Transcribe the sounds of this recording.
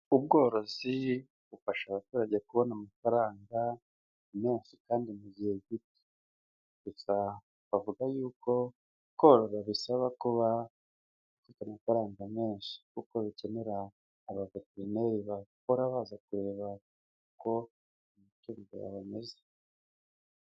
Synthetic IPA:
ub̚ɡo̞ːɾo̞zi | βufaʃaβatuːɾaɟekuβo̞namafaɾaːŋɡa | me̞ːnʃikaːndimuɟihe̞ɡiti̥ | βusa | βavuɡajuːkʰo̞ | ko̞ːɾoɾaβisaβakuβa | βufitamafaɾaːŋɡame̞ːnʃi̥kuko̞βice̞ne̞ɾaː | βaveteɾine̞ɾiβakoɾaβaːzakuɾe̞ːβa | uko̞ | mutuːdo̰ja̰βame̞ze

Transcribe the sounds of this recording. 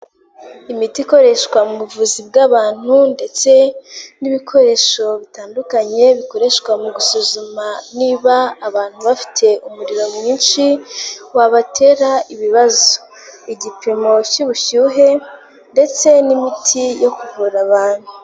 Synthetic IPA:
imitiko̞ɾe̞ʃkwamuβuvuzib̚ɡaβaːn̥hunde̞t͡se̞niβikʰo̞ɾe̞ːʃo̞βitaːndukaɲe̞βiko̞ɾe̞ʃkwamuɡusuzumaniːβaːβaːn̥huβafi̥tʰe̞ʔumuɾiɾo̞mɲiːnʃiwaβatʰe̞ɾaiβiβazo̥ | iɟipʰimo̞ciβuçuːɦe̞ | nde̞t͡se̞nimitʰijo̞kuvuɾaβaːn̥hu

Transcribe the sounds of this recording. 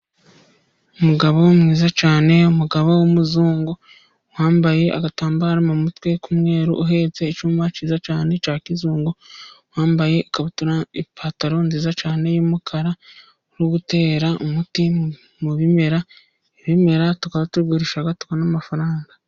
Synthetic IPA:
umuɡaβomŋiːzat͡ʃaːne̞umuɡaβowomuzuːŋɡo | waːmbaje̞a̰ɡataːmbaːɾamumutwe̞kumŋe̞ːɾuʔuɦe̞ːt͡se̞ːt͡ʃuːmat͡ʃiːzat͡ʃaːne̞t͡ʃaːkizuːŋɡowaːmbaje̞akaβatuɾaipʰaːtaɾo̞nziːzat͡ʃaːne̞jomukʰaɾa | oɾuβute̞ːɾaʔomuti | muβime̞ɾa | eβime̞ɾatukaβatuɡuɾiʃaɡatu̥kanamafaɾaːŋɡa

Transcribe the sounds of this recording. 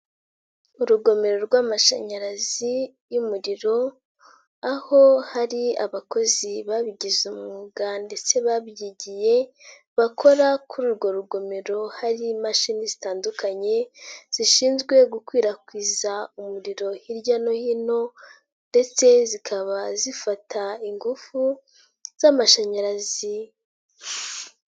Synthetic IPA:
uɾuɡo̞me̞ɾo̞ɾɡwaːmaʃa̰ɲaɾazi | jumuɾiɾo̞ | aho̞haɾiaβako̞ziβaβiɟizumuuɡande̞t͡se̞βabjiɟije̞ | βakʰo̞ɾakuɾuːɾɡo̞ɾuɡo̞meɾo̞haɾimaʃinizitaːndukʰaɲe̞z̥iʃiːnzɡwe̞ɡukwiːɾakwiːzaumuɾiɾo̞hiɾɟano̞hino̞ | nde̞t͡se̞zikʰaβazifatʰaiŋɡufu | z̥amaʃaɲaɾazi

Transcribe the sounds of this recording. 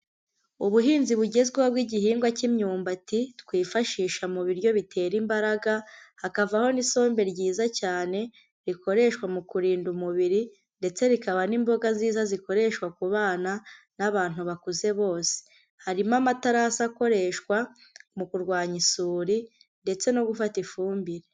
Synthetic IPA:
uβuɦiːnziβuɟe̞zɡwewaβɡiɟihiːŋɡwacimɲuːmbatitwiːfaʃiːʃamuβiɾjo̞βitʰe̞ːɾimbaɾaɡahakavaho̞niso̞ːmbe̞ɾɟiːzacaːne̞ | ɾikʰo̞ɾe̞ʃkwamukuɾiːndumuβiɾi | nde̞t͡se̞ɾikaβanimbo̞ɡaziːzaziko̞ɾe̞ʃkwakuβaːna | naβaːn̥huβakuze̞βo̞ːse̥ | haɾimamataɾasako̞ɾe̞ʃkwa | mukuɾɡwaːɲisuːɾi | nde̞t͡se̞no̞ɡufatifuːmbiɾe̞

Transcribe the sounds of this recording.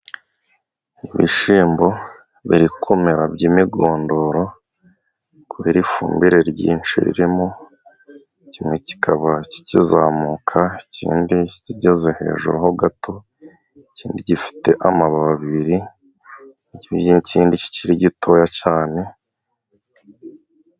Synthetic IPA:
iβḭʃiːmbo̞ | βiɾikʰomeɾabɟimiɡoːndo̞ɾo̞ | kuβeɾifṵːmbiɾe̞ɾɟḭːnt͡ʃḭḭɾimo | cimŋeci̥kʰaβaci̥cizaːmukʰaicḭːndiciɟezehe̞̰ːʒṵɾuɦoɡatʰo̞ | ciːndiɟifi̥te̞ʔamaβaβaβiɾi | iciːndici̥ciɾiɟitʰo̞jacaːne̞

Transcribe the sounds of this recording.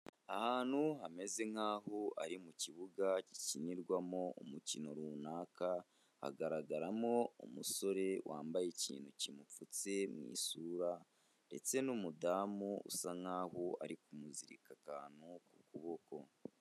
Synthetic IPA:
ahaːn̥huɦame̞ze̞ŋ̥haːhoaɾimuciβuɡaci̥ciɲiɾɡwamo̞ːmucino̞ɾuːnaːka | ha̰ɡaɾaɡaɾamo̞umuso̞ɾe̞wʔa̰ːmbajecḭːnhucimufut͡se̞mŋḭːsuːɾa | ɾe̞t͡se̞numudaːmoṵsaŋhaːhoaɾikumuziɾḭkakaːnuku̥kuβo̞ko̞

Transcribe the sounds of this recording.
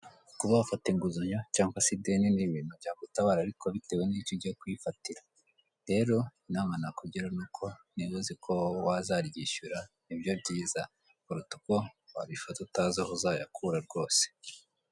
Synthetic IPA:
kuβaβfateŋɡuzuɲocaːŋɡwasideniniβiːnuvɟaːɡutaβaɾaɾikʰoβite̞we̞niːcoɟihokwifatiɾḁ | ɾe̞ːɾo̞inaːmanakuɟiɾanukʰo̞niwuzikʰowazaɾɟiʃuɾanibjo̞bɟiːza | uɾutu̥kowa̰ɾifatutazahuzaja̰kʰuɾaɾɡo̞ːse̥

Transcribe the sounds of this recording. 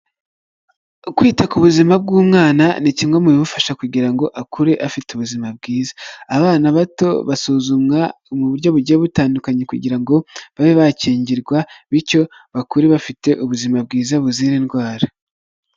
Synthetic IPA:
kwiːtakuβuzimab̚ɡuːmŋaːna̰nicimwamuβiβufaʃakuɟiɾaŋɡo̞ʔakuɾe̞ʔafituβuzimab̚ɡiːzaːβaːnaβato̞̰βasuːzumŋaomuβuɾɟo̞βuɾɟo̞βutaːndukaɲekuɟḭɾaŋɡo̞βaβeβaciːɲɟiɾɡwaβiɾco̞ | βakuɾeβafite̞ʔuβuzimab̚ɡiːzaβuziɾenɡwaːɾa

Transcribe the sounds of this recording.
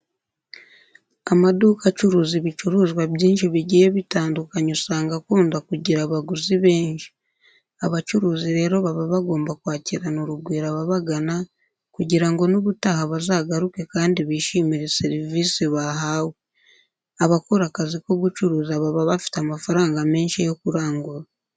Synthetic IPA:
amaduːkat͡ʃuɾuːziβit͡ʃuɾuːzɡwabɟiːnʃiβiɟijeβitaːndukaɲosaːŋɡakuːndakuɟiɾaβaɡuziβe̞ːnʃi̥ | aβat͡ʃuɾuːziɾe̞ːɾo̞βaβaβaɡo̞ːmbakwaːciɾanoɾuɡwiːɾaβaβaɡana | kuɟiɾaŋɡo̞noβutahaβazaːɡaɾuke̞kaːndiβiʃimiɾeseɾiviːsiβaɦaːwe | aβakoɾakaziko̞ɡut͡ʃuɾuːzaβaβaβafi̥tamafaɾaːŋɡame̞ːnʃijokuɾaːŋɡuɾa

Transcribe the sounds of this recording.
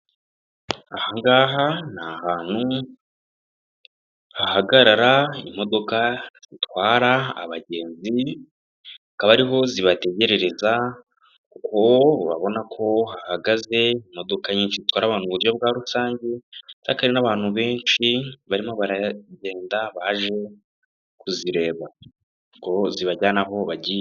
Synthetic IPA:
ahaŋɡaːɦanahaːn̥u | hahaɡaɾaɾaḭmo̞do̞kaz̥itwaːɾa̰ːβaɟe̞ːnzi | akaβaɾiɦo̞ziβate̞ɟe̞ɾe̞ɾe̞za | kukʰo̞βaβo̞nakʰo̞hahaɡaze̞im̥o̞do̞kaɲiːnʃizitwaːɾaβaːn̥uβuɾjob̚ɡaːɾusaːɲɟe̞z̥akaɾenaβaːn̥huβe̞ːnʃiβaɾimo̞βaɾaɟe̞ːndaβaʒe̞ | kuziɾe̞ːβa | ɡo̞ziβaɟanaɦo̞βaɟi

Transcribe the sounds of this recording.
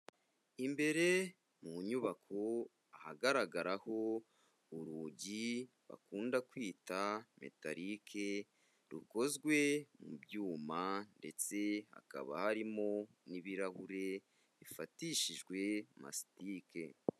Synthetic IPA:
imbe̞ɾe̞ | muɲuβakʰo | ahaɡaɾaɡaɾaho̞ | uɾuɟi | βa̰kuːndakwiːtame̞̰ta̰ɾikʰe | ɾuko̞zɡwe̞mṵbjuːmande̞t͡se̞ha̰ka̰βa̰haɾimo̞ | niβiɾahuɾe̞ | βifatiʃiʒɡwe̞ma̰si̥tiːke̞

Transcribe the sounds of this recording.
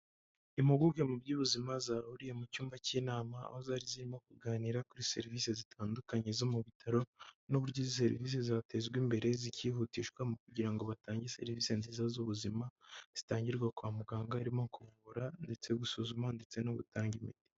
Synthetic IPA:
imuɡuɡɡemubɟuːβuzimazaːhuɾijemucuːmbaciːnaːmaa̰hozaːɾiziɾimo̞kuɡaːniɾakuɾise̞̰ɾiviːse̞zitʰaːndukaɲe̞zo̞muβitʰaɾo̞nuβuɾɟizis̬e̞ɾḭviːs̬e̞zate̞zɡwimbe̞ɾe̞ziciːɦutiːʃkwamukuɟiɾaŋɡo̞βataːɲɟese̞̰ɾiviːse̞nziːzazuβuzimaz̥itaːɲɟiɾɡwakwaːmuɡaːŋɡaːɾimoŋkuβuβuɾande̞t͡se̞ɡusuzumande̞t͡se̞noβṵtaːɲɡimḭti̥

